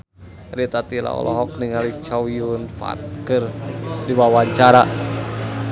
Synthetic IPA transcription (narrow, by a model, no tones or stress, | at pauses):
ɾit̪at̪ila̰ɔ̰lʔɔɦɔk̚niŋalit͡ʃawiunfa̰t̪̚kɨrdiwawaɲt͡ʃaɾa